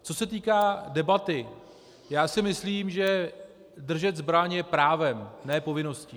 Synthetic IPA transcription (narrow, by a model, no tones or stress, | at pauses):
t͡so̞sɛt̪̬iːkaːdɛbat̪ɪ | jaːsɪmɪsliːmʒɛ | dr̩ʒɛt̪zbɾaɲɛpɾaːvɛmnɛːpo̞vɪno̞sci